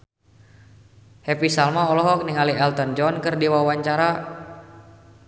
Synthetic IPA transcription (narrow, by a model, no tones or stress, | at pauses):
hɛpisalmaɔlɔɦɔk̚niŋaliɛlt̪ənd͡ʒɔnkɨrdiwawaɲt͡ʃaɾa